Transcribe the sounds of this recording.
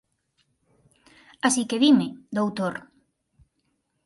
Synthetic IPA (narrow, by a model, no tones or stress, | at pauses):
asikeβimɪd̪owt̪oɾ